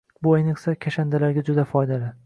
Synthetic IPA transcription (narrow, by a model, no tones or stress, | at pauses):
bʊejneqsakʲʰaʃand̪alaɾɡʲad͡ʒʊd̪afɒjd̪alɪ